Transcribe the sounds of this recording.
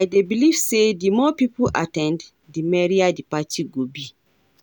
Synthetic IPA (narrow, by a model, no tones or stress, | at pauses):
ajdebiliv̥sedimɔpipuʔa̰tɛ̃nd | dimɛɹiadipatʰiɡobi